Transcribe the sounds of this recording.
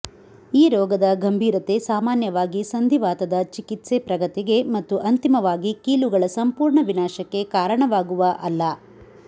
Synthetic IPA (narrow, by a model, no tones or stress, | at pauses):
iːɾɔːɡɐd̪ɐɡɐmbʱiːɾɐt̪e̞saːmaːnjɐʋaːɡisɐnd̪ʱiʋaːt̪ɐd̪ɐt͡ʃikit̪sepɾɐɡɐt̪iɡe̞mɐt̪ːuʔɐnt̪imɐʋaːɡikiːluɡɐɭɐsɐmpuːɾɳɐʋinaːʃɐkːe̞kaːɾɐɳɐʋaːɡuʋɐʔɐlːɐ